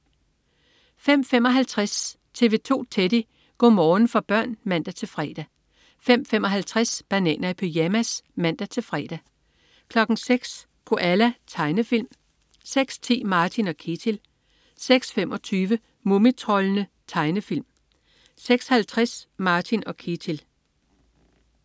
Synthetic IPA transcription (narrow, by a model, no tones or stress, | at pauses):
fem̰fem̰ɒ̽ɦælt͡sʰʁas | t͡sʰe̝ʋe̝t͡sʰo̝̰ːt͡sʰed̥i | ɡ̥ɔ̰ːmɒːn̩fɒ̽b̥ɶɐ̰nmæn̰d̥æt͡sʰe̝lfʁɛːd̥æ | fem̰femɒ̽ɦælt͡sʰʁasb̥ænɛ̰ːnɐæpʰøjæmæsmæn̰d̥æt͡sʰe̝lfʁɛ̰ːd̥æ | kʰlɒ̽ɡ̥n̩seɡ̥s | kʰo̝ʔælæt͡sʰɑ̈ɪnəfil̰m | seɡ̥st͡sʰḭːmɑ̈ːt͡sʰinɒ̽kʰe̝t͡sʰil | seɡ̥sfemɒ̽t͡sʰyːʋə | momit͡sʰʁɒlənə | t͡sʰɑ̈ɪnəfil̰m | seɡ̥shælt͡sʰʁɛsmɑ̈ːt͡sʰinɒ̽kʰet͡sʰil